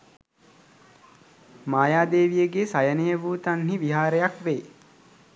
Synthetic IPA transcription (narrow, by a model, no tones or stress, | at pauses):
maːjaːd̪eːʋijəɡesajənejəʋuːt̪anɦiʋiɦaːɾəjakʋeː